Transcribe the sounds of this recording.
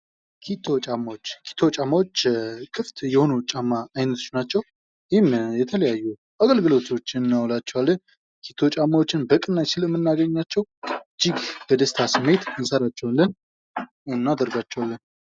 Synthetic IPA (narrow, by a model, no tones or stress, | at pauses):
kʰit̪ʰo̞t͡ʃʼamawot͡ʃːkʰi̥t̪ʰot͡ʃʼamːawo̞t͡ʃːkʰʼɨft̪jɛho̞nut͡ʃʼamːaːjnət̪ʰo̥t͡ʃnat͡ʃːɛw | jɪhɪmjɛt̪ʰələjajːu | ʔaɡəlɡɨlo̞t̪ʰo̞t͡ʃːɪnːawlat͡ʃːɛwalːən | kʰi̥t̪ʰːo̞t͡ʃʼamːawo̞t͡ʃːɪnbəkʼɨnːajsɪləmːɨnːaɡəɲːat͡ʃːɛwd͡ʒɪɡb̥əd̪əst̪ʰasɨmːe̞t̪ənsəɾat͡ʃːɛwnlən | ɨnːad̪əɾɡat͡ʃːɛwalːən